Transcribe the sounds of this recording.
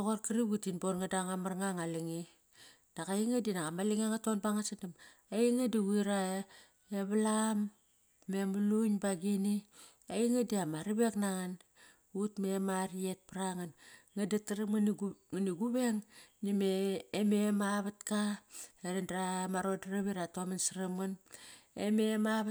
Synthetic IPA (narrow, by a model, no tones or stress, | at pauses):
oɣorkiɾiɡutinboɾŋadaŋamaɾŋaŋaliŋi | d̥akajiŋadinakamaliŋiaŋatonbaŋasadam | aiŋadiwiɾa | eβalamː | emuluɲbaɡini | aiŋadiamaɾiβe̞knaŋan | utmemaɾiet̚pɾaŋanŋadataɾamanŋaniɡuβeŋnimeːmemaβatkaeɾindɾamaɾodaɾaβiɾatomansaɾamanḛmemaβ